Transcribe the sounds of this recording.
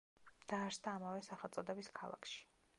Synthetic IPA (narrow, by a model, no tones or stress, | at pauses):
d̪̥aːɾsd̪aːmavɛsaχɛlˠt̪sʼɔd̪ɛbiskʰa̰lˠa̰kʰʃi̥